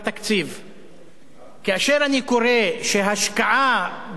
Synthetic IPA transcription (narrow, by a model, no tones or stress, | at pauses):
t̪akt͡siv | keaʃeʁanikoʁeʃeɦaʃkaʕa